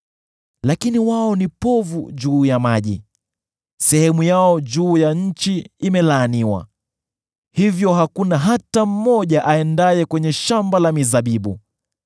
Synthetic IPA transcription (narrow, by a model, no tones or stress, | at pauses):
lakiniwaɔnipɔvṵʄuːjamaʄḭ | sɛhɛmujaɔd͡ʒuːjaɲ̩t͡ʃiːmɛlaːniwa̰ | hivjɔɦakunaɦatam̩mɔʄaʔaɛndajɛkwɛɲɛʃambalamizaɓiɓu